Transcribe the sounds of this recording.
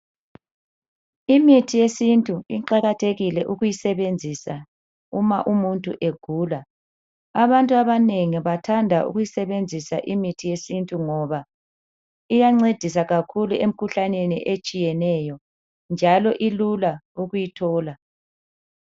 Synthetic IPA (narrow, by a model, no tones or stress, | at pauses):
imitʰijesintʼuiǃaɣatʰeɣilɛʔuɣujisɛβend͡zʱisa | umaʔumuntʼṵʔeɡ̥ʱuːla | aβantʼuaβaneŋiβatʰandʱaʔṵɣujisɛβend͡zʱisaʔimitʰijesintʼuŋɔβa | ijaŋ͡ǀed̥ʱis̬aɣakʰuluʔem̩kʰuɬanenḭʔet͡ʃʼijɛnɛjɔ | nd͡ʒʱalɔʔilulauɣujitʰɔːla